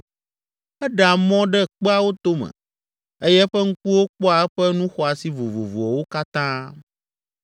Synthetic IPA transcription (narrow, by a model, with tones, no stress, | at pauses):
ɛ˦ɖa˨mɔ̃˦ɖɛ˦k͡pɛ˦a˦wo˦t̪o˦mɛ̰̃˨ | e˦jɛ˦ɸɛ˦ŋ̩˦ku˦wo˦k͡pɔ˦a˨ɛ˦ɸɛ˦nũ˦xɔ˨a˨si˦vo˨vo̰˨vo˨ɔ˨wo˦ka˦t̪ã˦